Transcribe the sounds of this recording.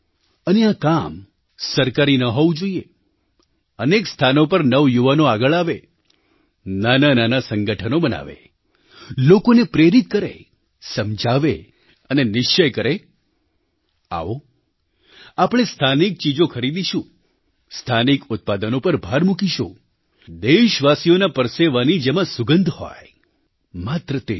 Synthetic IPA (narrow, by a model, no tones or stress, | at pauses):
əneakam | səɾkaɾinəɦoʋũd͡ʒoie | ənekst̪ʰanopəɾnəʋjuʋanoaɡəɭaʋe | nanananasəŋɡəʈʰənobəna̰ʋḛ | lokonepɾeɾit̪̚kəɾḛ | səmd͡ʒʱaʋe | ənenɪʃt͡ʃəjkəɾe | a̰ʋo | apɽ̃est̪ʰanik̚t͡ʃid͡ʒokʰəɾid̪iʃũ | st̪ʰanikʊt̪̚pad̪ənopəɾbʱaɾmukiʃṵ̃ | d̪eʃʋasijonapəɾseʋanid͡ʒemãsʊɡənd̪ʱhɔ̰j | mat̪ɾət̪e